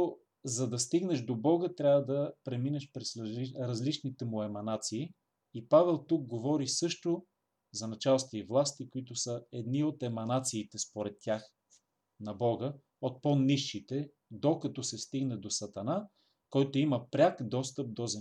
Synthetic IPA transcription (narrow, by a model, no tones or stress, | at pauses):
zɐd̪ɐst̪iɡnɛʃd̪obɔɡət̪ɾʲjavəd̪ɐpɾɛminɛʃpɾɛsɾɐzlit͡ʃnit̪ɛmʊɛmɐnat̪siː | ipavɛlˠt̪uk̚ɡovɔɾisɤʃt̪o | zɐnɐt͡ʃalˠst̪voivlˠast̪ikoit̪ʊsəɛd̪niot̪ɛmɐnat̪siːt̪ɛspoɾɛt̪ːʲjax | nɐbɔɡə | ot̪̚poniʃːit̪ɛ | d̪okɐt̪ɔsɛst̪iɡnɛd̪osɐt̪ɐna | kɔjt̪oiməpɾʲakd̪ɔst̪əp̚d̪oz